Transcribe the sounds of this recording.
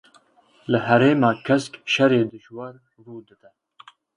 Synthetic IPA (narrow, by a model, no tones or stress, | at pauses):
lɨɦɛɾeːmɑːkʰɛskʃɛɾeːd̪ɨʃwɐɾ | ruːd̪ɨd̪ɛ